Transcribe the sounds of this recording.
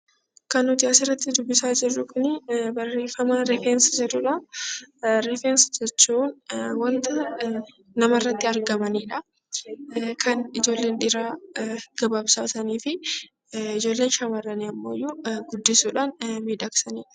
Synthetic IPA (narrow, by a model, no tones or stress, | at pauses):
kɐnʊt̪ɪɐsɪrːɐt̪ːɪd̪ʊbːɪsaːd͡ʒɪrːʊkʊnɪbɐrːe̞ːfɐmaɾɪfɛnsd͡ʒɛᶑʊᶑɐ | ɾɪfɛnsd͡ʒɛt͡ʃːuːnwɐnt̪ɐ | nɐmɐrːɐt̪ːɪɐɾɡɐmɐniːᶑɐ | kʰɐnɪd͡ʒo̞ːlːe̞ːnᶑɪɾaːɡ̥ɐbaːbsaːsɐniːfɪ | ɪd͡ʒo̞ːlːe̞ːnʃɐmɐɾːɐniɐmːo̞̰ːjːuɡʊd̪ːɪsuːᶑaːnmiːᶑɐksɐniːᶑɐ̥